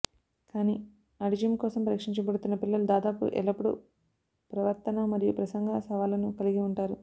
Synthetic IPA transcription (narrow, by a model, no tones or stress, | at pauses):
kaːniː | ɐɽid͡ʒɐmkɔːsɐmpɐɾiːkʂiɲt͡ʃɐbɐɽut̪unːɐpilːɐlud̪aːd̪aːpṵʔɛ̰lɐpuɽṵ | pɾɐʋɐɾt̪ɐnɐmɐɾijupɾɐsɐŋɡʱɐsɐʋaːlɐnukɐliɡiuɳʈaːɾu